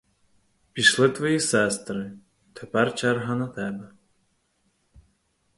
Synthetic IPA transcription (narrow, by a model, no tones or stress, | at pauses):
pʲiʃlˠɪt̪ʋɔjisɛst̪ɾɨ | t̪ʰɛpɛrt͡ʃɛrɦɐnɐt̪ɛbɛ